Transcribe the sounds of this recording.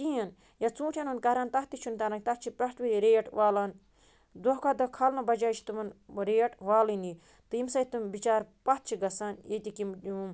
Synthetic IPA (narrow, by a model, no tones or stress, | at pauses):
tiɐn | jat͡sũːʈʰʲanɐnkɐɾaːnt̪ɐht̪it͡ʃʰunt̪ɐɾaŋɡt̪ɐt̪̚t͡ʃʰipɾɐʈʋiɾiɾeːʈʋaːlan | d̪oɦkad̪ɐkʰalnɐbɐd͡ʒaːt͡ʃʰi̥t̪ɨmɐnɾeːʈʋaːlini | t̪ɨimsɐit̪ɨmbit͡ʃaːɾpɐt̪̚t͡ʃʰiɡɐsaːnjet̪ʲikimum